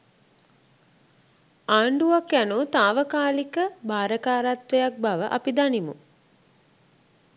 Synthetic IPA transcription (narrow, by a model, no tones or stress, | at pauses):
aːɳɖuakjænut̪aːʋəkaːlikəbaːɾəkaːɾat̪ʋejak̚baʋəʔa̰pid̪animṵ